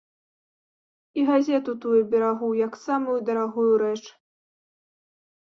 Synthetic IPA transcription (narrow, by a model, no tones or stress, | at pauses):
iɣazʲɛt̪ut̪ujubʲɛɾaɣujaksamujud̪ɐɾaɣujuɾɛt͡ʂ